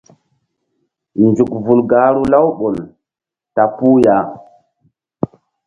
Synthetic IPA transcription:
nd͡ʒu˨k̚vu˨lɡa˨˦ɾu˦la˦wɓo˨l | ta˨pu˦ja˨

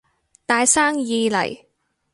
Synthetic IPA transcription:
t̪aː˨˧jsaː˥ŋjiː˨˧lɐ̰˨˩j

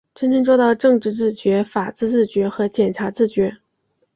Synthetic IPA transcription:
ʂə˥nt͡ɕʰi˥nʈ͡ʂwɔ˥˧t̪ɑ˥˧ʊʈ͡ʂɤ˥˧ŋʈ͡ʂɻ̩˥˧t͡sɹ̩˥˩t͡ɕɥɛ˧˥fa˨˩t͡sɹ̩˥˧t͡sɹ̩˥˩t͡ɕɥɛ˧˥xɤ˧˥t͡ɕjɛ˨˩nʈ͡ʂʰa˧˥t͡sɹ̩˥˩t͡ɕɥɛ˧˥

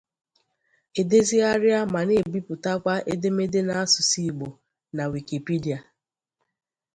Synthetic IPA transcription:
e˨de˦zi˦a˦ɾja˦ma˨ne˦˨bi˦pʊ˨ta˦kʷa˦ʔe˦de˦me˦de˦na˨a˦sʊ˨si˦˨ɡ͡bo˨ | na˨wi˨ki˨pi˦di˨a˨

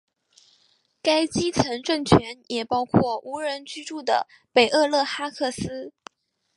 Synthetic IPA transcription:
ka˥ɪt͡ɕi˥t͡sʰə˧˥nʈ͡ʂə˥˩ŋt͡ɕʰɥɛ˧˥njʔɛ˨˩pɑ˥ʊkʰwɔ˥˩ʔu˧˥ɻə˧˥nt͡ɕy˥ʈ͡ʂu˥˩d̪ə̰˩ | pe˨˩ɪʔɤ˥˧lɤ˥˩xa˥kʰɤ˥˩sɹ̩˥

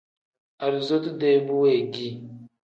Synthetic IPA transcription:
a˨ɾu˨zo˦tu˦de˦bu˦we˨ɡi˦

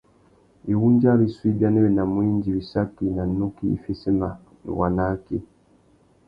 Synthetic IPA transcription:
i˨wuː˦ɲɟa˦li˨swi˦bja˦ne˦βe˨na˨mwiː˦ɲɟi˨βi˨sa˦kːi˨na˨nːu˦kḭː˦˨fe˦se˦ma˨ | nṵ˨wa˨na˦ki˦

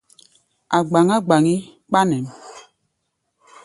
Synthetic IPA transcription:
a˨ɡ͡ba˨ŋa˦ɡ͡ba˨ŋi˦k͡pa˦nɛ˨m

